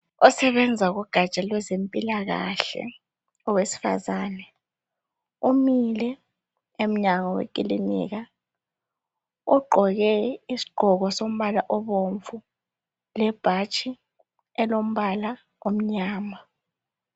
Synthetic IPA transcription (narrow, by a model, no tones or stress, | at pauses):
ɔsɛβɛnd͡zʱaɣuɡ̥ʱat͡ʃʼalwɛzempʼilaɣa̰ɬɛ̰ | ɔwesi̥fa̰zaːnɛ | umilɛ | em̩ɲaŋɔwḛkʼilinḭːɣa | uɡ͡ǃʱɔɣɛisi̥ɡ͡ǃʱɔɣɔsom̩βalaʔɔβoɱvu | lɛb̥ʱat͡ʃʼi | ɛlom̩βala | om̩ɲaːma